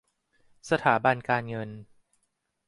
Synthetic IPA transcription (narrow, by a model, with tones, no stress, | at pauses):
sa˧t̪ʰaː˩˦ba˧nkaː˧nŋɤ˧n